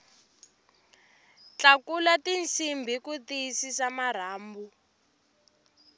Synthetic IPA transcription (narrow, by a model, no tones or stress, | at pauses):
t͡ɬakulatint͡sʰimbʱikut̪iisisamar̤aːmbu